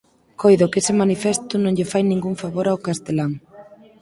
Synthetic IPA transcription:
kojðʊkesɪmanifɛst̪ʊnõŋʎɪfajnĩŋɡuŋfaβoɾaokast̪elaŋ

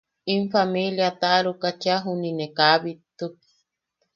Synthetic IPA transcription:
imfamiljat̪aʔɾukat͡ʃaɦuninekaβit̪uki̥

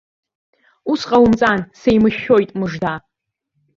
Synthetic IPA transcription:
usqʼawʊmt͡sʼansejmɨʃo̞jtʼmɨʐda

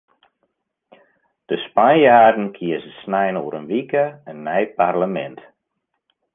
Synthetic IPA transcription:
d̥əspanjaːrdn̩kʰiəzəsnɛjnoəɾənʋikəənːɛjparləmɛ̰nt

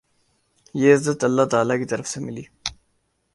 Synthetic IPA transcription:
jeɪzɐt̪ɐlːat̪aːlakit̪ɐɾəfsemɪliː

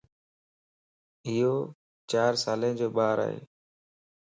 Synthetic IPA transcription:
ɪjoː | t͡ʃaːɾsaːlẽːd͡ʒoːɓaːɾa̰ːɦḛː

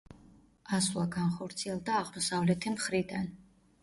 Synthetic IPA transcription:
aswlˠaɡanχɔɾt̪sʰiɛlˠd̪aːʁmɔsavlɛt̪ʰimχɾid̪an

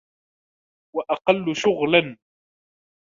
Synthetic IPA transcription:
waʔɑqɑlːʊʃʊɣlan

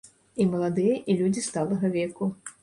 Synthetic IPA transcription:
imɐlˠad̪ɨjɐʔilʲud͡zʲist̪alˠɐɣɐvʲɛku

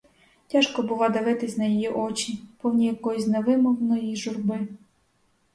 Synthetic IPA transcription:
tʲaʃkɔbʊlˠɑd̪ɐʋɪt̪ɪsʲnɐjijiʔɔt͡ʃʲipɔwnʲijɐkɔjusʲnɛʋɪmɔwnɔjiʒʊrbɪ

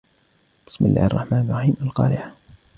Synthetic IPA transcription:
b̥ɪ̥smɪlːa̰ːhɪ̰rˤːɑħmaːnɑrˤːɑħiːmalqɑ̰ːɾɪʕ

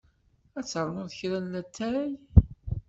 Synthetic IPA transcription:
æt͡sːəɾˤnʊɾðəçɾænlæt̪ʰːæj

